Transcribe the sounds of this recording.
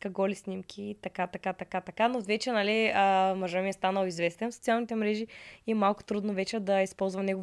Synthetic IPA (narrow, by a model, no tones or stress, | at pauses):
kɐɡɔlisnʲimkʲʰit̪ɐkat̪ɐkat̪ɐkat̪ɐkanot̪vɛt͡ʃɛnaliəmɐʒəmiɛst̪anəlˠizvɛst̪ɛnfso̥t̪ialˠnit̪ɛmɾɛʒiiɛmalˠkʊ̥t̪ɾud̪novɛt͡ʃɛd̪ɐispɔlˠzvɐmnɛɡʊ